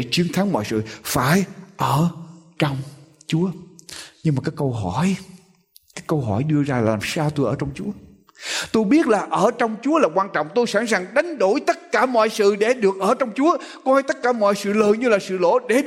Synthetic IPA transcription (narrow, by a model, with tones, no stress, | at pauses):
t͡ɕwi˨˦ənt̪ʰa˨˦ŋmɔ̰˧˨jsɨ̰˧˨faː˧˩jʔəː˧˩t͡ɕɔ˧wŋ͡mt͡ɕu˨˦əɲɨ˧ŋmaː˨˩kaː˨˦jkə˧wɦɔ˧˩j | kaː˨˦jkə˧wɦɔ˧˩jɗɨ˧əzaː˧lːaː˨˩msaː˧wt̪o˧jʔəː˧˩˦t͡ɕɔ˧wŋ͡mt͡ɕu˨˦ə | t̪o˧jɓi˦˥ət̚laː˨˩ʔəː˧˩t͡ɕɔ˧wŋ͡mt͡ɕu˨˦əlaː˨˩kwaː˧nt͡ɕɔ̰˧˨wŋ͡mt̪o˧jsa˧˥ŋsaː˨˩ŋɗa˨˦jŋ̟ɗo˧˩jt̪ə˦˥t̚kaː˧˩mɔ̰˧˨jsɨ̰˧˨ɗe˧˩ɗɨ˨˩ək̚ʔəː˧˩t͡ɕɔ˧wŋ͡mt͡ɕu˨˦ə | kwɔː˧jt̪ə˦˥t̚kaː˧˩mɔ̰˧˨jsɨ̰˧˨ləː˨˩jɲɨ˧laː˨˩sɨ̰˧˨lo̰˧˥ɗe˧˩